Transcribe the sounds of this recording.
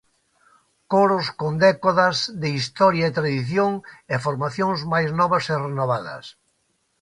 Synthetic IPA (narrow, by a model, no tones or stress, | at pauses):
koɾoskond̪ɛkoðɐzðɪist̪ɔɾjaet̪ɾaðiθjoŋefoɾmaθjõŋzmajznɔβɐserenoβaðɐ̰s